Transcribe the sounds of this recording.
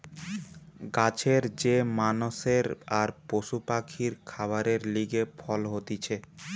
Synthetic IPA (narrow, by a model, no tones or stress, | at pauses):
ɡat͡ɕʰeɾd͡ʑemanoʃeɾaɾpoʃupakʰiɾkʰabaɾeɾliɡefʰɔlɦot̪it͡ɕʰe